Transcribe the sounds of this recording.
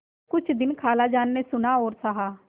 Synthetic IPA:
kʊt͡ʃʰd̪ɪnkʰaːlaːd͡ʒaːnːesʊnaːɦoːɾsaɦaː

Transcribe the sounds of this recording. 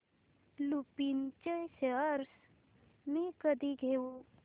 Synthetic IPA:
lupint͡ʃəseəɾs | mẽkəd̪iɡʱeu

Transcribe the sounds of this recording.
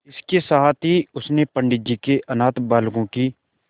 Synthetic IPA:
ɪskesaːt̪ʰɦiʊsnepə̃ɳɖɪd͡ʒikeʔɐnaːt̪baːlɡõkiː

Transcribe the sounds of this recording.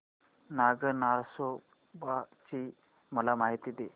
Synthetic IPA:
naɡənaso | bat͡ɕi | məlamaɦit̪id̪e

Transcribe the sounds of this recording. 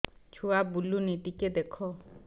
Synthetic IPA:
t͡ʃʰuabulunit̪ikɛd̪ɛkʰɔ

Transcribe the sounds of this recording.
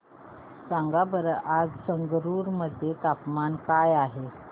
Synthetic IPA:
sãŋɡabəɾad͡zsəŋɡɾuɾməd̪ʱjet̪apmankajaɦe

